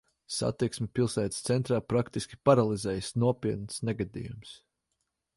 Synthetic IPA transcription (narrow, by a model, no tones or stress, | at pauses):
sa̰t̪iksmʲɛpilˠsæːt̪st̪sɛnt̪ɾaːpɾakt̪iskʲi̥paɾalˠizɛːjsnuɔpʲiːt̪̚nsnɛɡad̪ḭjums